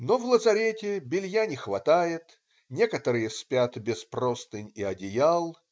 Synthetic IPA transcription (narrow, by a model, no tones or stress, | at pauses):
novlˠəzɐɾʲetʲɪbʲɪlʲjanʲɪxvɐt̪ajɪt̪ | nʲe̞kət̪əɾɨjəsʲpʲat̪bʲɪsprost̪ɨnʲiɐdʲɪjalˠ